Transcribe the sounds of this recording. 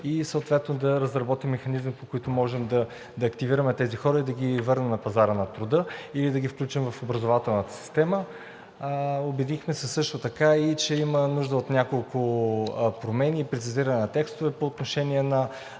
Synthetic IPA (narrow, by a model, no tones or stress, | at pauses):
isəot̪vɛt̪nod̪ɐɾɐzɾɐbɔt̪imːɛxɐnizmipokoit̪ʊmɔʒɛmd̪ɐ | d̪ɐːkt̪iviɾɐmɛt̪ɛzixɔɾəid̪ɐɡivɤɾnɛmnɐpɐzaɾənɐt̪ɾʊd̪ɤilid̪ɐɡʲifklʲut͡ʃimvɐfobɾɐzovat̪ɛlˠnət̪ə̥si̥st̪ɛmə | obɛd̪ixmɛsɛsɤʃt̪ot̪ɐkait͡ʃɛimənuʒd̪əot̪nʲakolˠkʊ | pɾomɛniːpɾɛt̪sʲiziɾɐnɛnɐt̪ɛkst̪ʊvɛpoːt̪noʃɛniɛnɐ